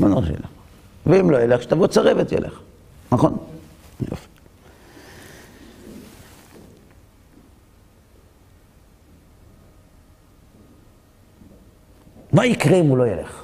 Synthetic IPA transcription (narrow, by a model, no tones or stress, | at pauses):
manoʃjḛleχ | veimlojeleχʃt̪avot͡saʁevetjḛlʔḛχ | naχo̞njo̰fi̥ | maikʁeimulo̞jeleχ